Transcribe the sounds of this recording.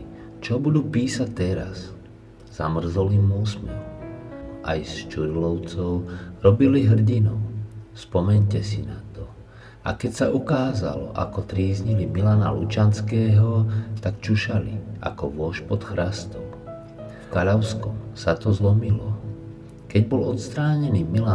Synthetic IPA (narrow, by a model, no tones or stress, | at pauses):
t͡ʃɔbud̪uːpiːsac̚t̪ɛɾa̰s | z̥amr̩zɔlimusmḭ | ʔa̰jst͡ʃuɾlɔʊt͡sɔʊɾɔbiliɦr̩ɟinɔʊspɔmɛɲcɛsinat̪ɔ | a̰kɛcsaukaːza̰lɔ̰ʔa̰kɔt̪ɾiːzɲilimilana̰lut͡ʃanskɛːɦɔt̪akt͡ʃuʃalḭa̰kɔʋʊɔʃpɔt̪xɾast̪ɔm | fkaʎaʊskɔmsat̪ɔzlɔmilɔ | kɛɟbɔlɔt̪st̪ɾaːɲɛniːmila